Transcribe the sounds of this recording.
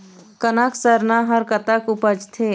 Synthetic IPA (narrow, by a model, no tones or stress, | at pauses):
kənaksəɾnaɦəɾkət̪akupəd͡ʒt̪ʰe